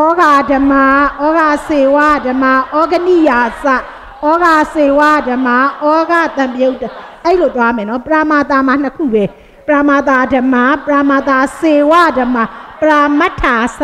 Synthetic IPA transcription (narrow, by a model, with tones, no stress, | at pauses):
ɔ˦ɡa˨də˨ma˦ʔɔ˦ɡa˨se˨wa˦˨də˨ma˦˨ʔɔ˦ɡə˦˨ni˦˨ja˨sa˦˨ | ʔɔ˦ɡa˨se˨wa˦˨də˨ma˦ʔɔ˦ɡa˦˨t̪ã˨mpə˦jo˦ʊtːə˨ | ʔɛ˦ɾi˨lo˨t̪wa˦˨mɛ̃˨nɔ˨˦pəɹa˨ma˨t̪a˨ma˨n̥ə˨kʰṵ˦˨bɛ˨ | pəɹa˨ma˨t̪a˨də˨ma˨pəɹa˨ma˨t̪a˨se˨wa˦˨də˨ma˨pəɹa˨ma˦tʰːa˨s